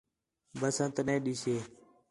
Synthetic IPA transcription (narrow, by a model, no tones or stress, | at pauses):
bəsə̃nt̪nẽːɗiːseː